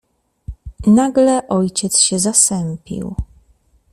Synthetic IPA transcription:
naɡlɛʔɔjt͡ɕɛt̪sɕɛzasɛmpʲḭw

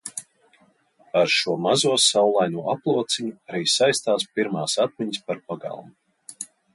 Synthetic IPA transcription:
aɾʃuɔmazuɔsawlˠajnuɔaplˠuɔt̪siɲuaɾiːsajst̪aːspiɾmaːsat̪̚mʲiɲs̬paɾpaɡa̰lˠmu

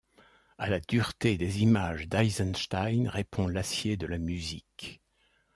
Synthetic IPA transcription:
alad̪yʁt̪ed̪ezimaʒd̪ajzɛnʃt̪ajnʁepʰɔ̃lasjed̪əlamyzik

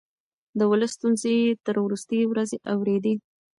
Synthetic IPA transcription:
d̪əwələsːt̪unzet̪əɾwɾust̪əjwɾazeʔawɾed̪i

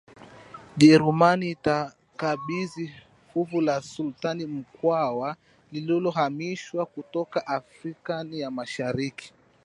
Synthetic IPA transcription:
ʄɛɾumaniːta | kaɓizi | fuvulasultanim̩kwawa | lililɔɦamiʃwakutɔkaʔafɾikanijamaʃaɾiki̥

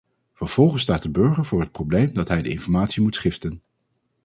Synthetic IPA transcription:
v̥əɹv̥ɔlˠχənstaːt̚dəbɵɹχəɹvʊːɹɦət̚prowblejmdɑtɦɛjdə̰ɪnfɔɹmaːtsimutsχɪftən

